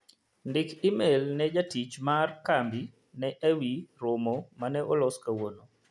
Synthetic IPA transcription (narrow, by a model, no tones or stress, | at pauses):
ndɪkimelnɛd͡ʒatit͡ʃmarkambi | nɛʔewiɾomomanɛʔɔlɔskawono